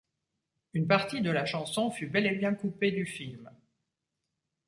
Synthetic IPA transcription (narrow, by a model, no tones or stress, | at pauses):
ynpaʁt̪id̪əlaʃɑ̃sɔ̃fybɛlebjɛ̃kuped̪yfilm